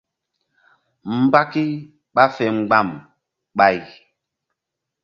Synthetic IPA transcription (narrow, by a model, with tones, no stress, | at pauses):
m̩˨ba˦ki˦ | ɓa˦fɛ˨ŋ͡mɡ͡ba˦˨m | ɓa˦˨j